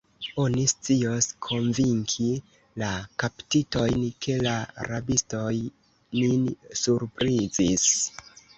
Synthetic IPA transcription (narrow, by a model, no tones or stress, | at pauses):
o̞nist͡sio̞skʰo̞nviŋkʰi | lakaptito̞jnkʰe̞laa̰ɾabisto̞j | ninsuɾpɾizis